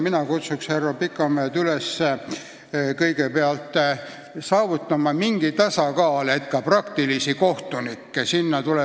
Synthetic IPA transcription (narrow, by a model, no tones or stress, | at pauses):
minɑkut̪suksherːopikːˑɑmeːt̪ylesːe | kɤjɡe̞peɑlt̪ˑ | sɑːvut̪ːˑɑmɑmiŋɡ̥it̪ɑsɑkɑːlet̪kɑprɑkt̪ilisiko̞ht̪unikːesinːɑt̪ule